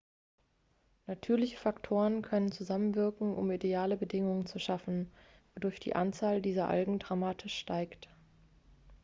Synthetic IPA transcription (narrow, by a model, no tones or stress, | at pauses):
natʰyːɐlɪçə̥faktʰoːʁənkʰœnənt͡suzamənvɪɐkŋ̩ʔʊ̰mideaːləbədɪŋʊŋənt͡suʃafn̩ | vodʊɐçd̥ḭːʔant͡saːldiːzɐʔa̰lɡŋ̩dʁamaːtʰɪʃːtaɪkt